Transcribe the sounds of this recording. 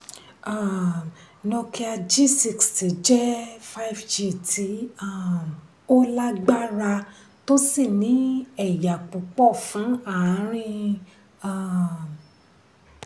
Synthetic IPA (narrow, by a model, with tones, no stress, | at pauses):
a˦˨ | nɔ̃˧ki˧a˧d͡ʒi˦˨si˧ksti˨d͡ʒɛ˦fa˦i˨fd͡ʒi˦˨tʰi˨˦a˦˨ | o˦la˦ɡ͡ba˦ɾa˧ | to˦si˦˨nĩ˨˦ɛ˦˨ja˨k͡pu˨k͡pɔ˦˨fũ˨˦a˦˨˦ɾ̃ĩ˦ | a˦˨